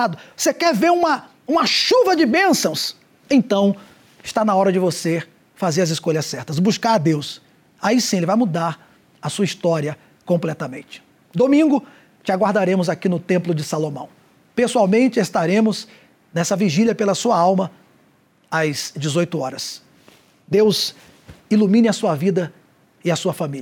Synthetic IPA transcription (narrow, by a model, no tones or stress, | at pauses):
ad̪ʊosekɛɾveɾũmɐ | ũmɐʃuvɐd͡ʒɪbẽsɐ̃w̃s | ẽt̪ɐ̃w̃ | ɪst̪anɐaɔɾɐd͡ʒɪvose | fazeɾɐzɪskoʎɐsɛɾt̪ɐsbuskaɾad̪ews | aisĩelɪvajmud̪aɾ | ɐsuɐist̪ɔɾiɐ | kõmplɛt̪ɐmḛ̃nt͡ʃɪ̥ | d̪omĩŋɡʊ | t͡ʃɪaɡwaɾd̪aɾẽmʊzakinʊt̪ẽmplʊd͡ʒɪsalomɐ̰̃w̃ | pesuawmẽnt͡ʃɪest̪aɾẽmʊz | nɛsɐviʒilʲɐpelɐsuɐawmɐ | az̥d͡ʒɪzojt̪ʊɔɾɐs | d̪ewz | ilumĩnɪɐsuɐvid̪ɐ | ɪɐsuɐfamiʎɐ